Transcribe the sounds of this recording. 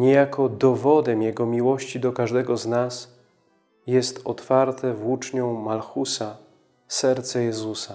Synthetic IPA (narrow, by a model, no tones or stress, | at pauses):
ɲɛjakɔd̪ɔvɔd̪ɛmjɛɡɔmʲiwɔɕt͡ɕid̪ɔkaʐd̪ɛɡɔznas | jɛst̪ɔt̪faɾt̪ɛvut͡ʂɲɔ̃w̃malxusa | sɛɾt̪sɛjɛzusa